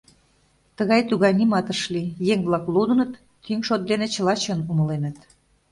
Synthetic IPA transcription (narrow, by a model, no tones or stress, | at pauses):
t̪əɣɑjt̪uɣɑjnimɑt̪əʃlijeŋβlɑklud̪ənət̪ː | yŋʃot̪̚d̪enet͡ɕə̆lɑt͡ɕənumə̆lenə̆t̪